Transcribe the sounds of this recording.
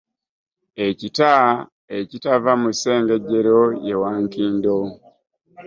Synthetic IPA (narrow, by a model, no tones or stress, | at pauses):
ecita | ecitavamuse̞ːŋɡe̞ɟeɾoje̞waŋkiːndo